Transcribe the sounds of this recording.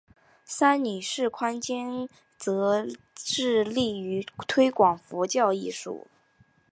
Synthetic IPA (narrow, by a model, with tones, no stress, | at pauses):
sa˥nny˨˩ʂɻ̩˥˩kʰwa˥nt͡ɕjɛ˥n | t͡sɤ˧˥ | ʈ͡ʂɻ̩˥˧li˥˩y˧˥t̪ʰwe˥ɪkwɑ˨˩ŋfu˧˥t͡ɕjɑ˥˧ʊi˥˩ʂṵ˨˩˦